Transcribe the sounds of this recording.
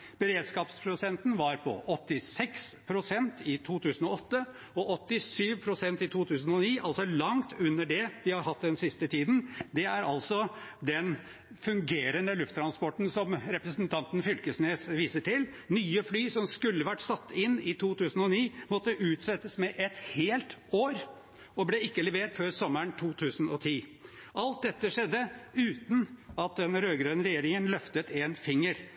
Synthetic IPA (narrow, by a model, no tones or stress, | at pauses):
b̥əɾeːd̪skɑːpspʰɾʊsɛnt̪nʋɑɾpʰɔ̰ʔɔt̪ːɪsɛkspʰɾʊsɛnt̪ɪt̪ʰuːt̪ʰʉːsn̩ɔɔt̪ːə | ɔʔɔt̪ːɪsyːʋpʰɾʊsɛnt̪ɪt̪ʰuːt̪ʰʉːsn̩ɔniːʔɑlsɔlɑŋt̪ʰʉnːəɖɛʋɪhɑɾɦɑt̪ːd̪ɛnsɪst̪ət̪ʰiːd̪n̩d̪ɛæɾɑlsɔd̪ɛn | fʉŋɡeːɾənəlʉft̪ʰːɾɑnspɔʈːn̩sɔmɾɛpɾəsnt̪ʰɑnt̪n̩fʏlkəsneːsʋiːsəʈɪl | nyːəflyːsɔmskʉlːəʋæʈːsɑt̪ːɪnːɪt̪ʰuːt̪ʰʉːsn̩ɔniːmɔt̪ːəʔʉːt̪sɛt̪ːəsmɛʔɛt̪heːlt̪oːɾ | ɔblɛɪkːəlɛʋeːʈføːɾsɔmːəɳt̪ʰuːt̪ʰʉːsn̩ɔt̪ʰiːʔɑlt̪̚d̪ɛt̪ːəʂɛd̪ːəʉːt̪n̩ɑt̪̚d̪ɛnɾøːɡɾœʏnɾɛjeːɾɪŋənlœft̪ət̪eːnfɪŋːəɾ